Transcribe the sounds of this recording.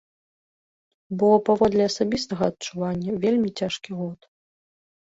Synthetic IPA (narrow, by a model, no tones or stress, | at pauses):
bɔpavɔd̪lʲɛɐsabʲist̪ɐɣɐːt̪̚t͡ʂuvanʲːɐvʲelʲmʲit͡sʲaʂkʲiɣɔt̪